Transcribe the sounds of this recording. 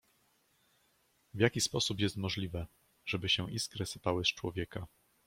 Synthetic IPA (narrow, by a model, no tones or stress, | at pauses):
vʲjakʲispɔsupjɛst̪mɔʐlʲivɛ | ʐ̥ɛbɘɕɛ̃ʔiskɾɘsɘ̥pawɘst͡ʂwɔvʲjɛka